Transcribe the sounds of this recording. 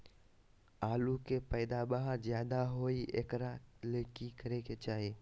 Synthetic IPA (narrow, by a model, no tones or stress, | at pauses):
aːlukepəːd̪abaɦəɾzjaːd̪aɦoːiʔekɾaleːkikəɾeket͡ʃaːɦeː